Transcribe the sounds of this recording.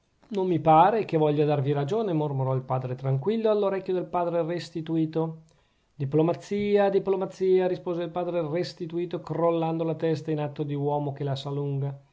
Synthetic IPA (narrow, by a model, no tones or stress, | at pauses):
nomːipaːɾekevɔʎːad̪arviɾad͡ʒoːnemormoɾɔilpaːd̪ɾet̪ɾaŋkwilːoalːoɾɛkːjod̪elpaːd̪ɾerest̪it̪uiːt̪o | d̪iplomat̪sːiːad̪iplomat̪sːiːaɾispoːzeilpaːd̪ɾerest̪it̪uiːt̪okrolːand̪olat̪ɛst̪ainat̪ːod̪iwɔːmok̟elasaluŋɡa